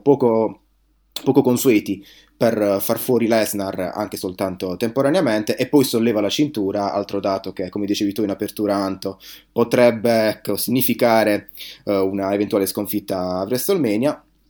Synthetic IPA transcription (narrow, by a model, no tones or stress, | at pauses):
pɔːko | pɔːkokonsuɛːt̪i | perfarfwɔːɾilɛznara̰ŋk̟esolt̪ant̪ot̪empoɾaneamɛnt̪eʔepːɔjsolːɛːvalat͡ʃint̪uːɾaa̰lt̪ɾod̪aːt̪ok̟ekːomed̪it͡ʃeːvit̪uinapert̪uːɾaant̪opot̪ɾɛbːeɛkːosiɲːifikaːɾe | unaevent̪uaːleskoɱfit̪ːaːvɾɛst̪olmɛːnja